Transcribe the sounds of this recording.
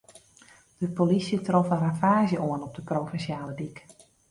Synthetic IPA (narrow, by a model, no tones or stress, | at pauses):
d̥əpolisjətrofənrafaːzjəʔoənɔp̚dəproːfɛnsjaːləbik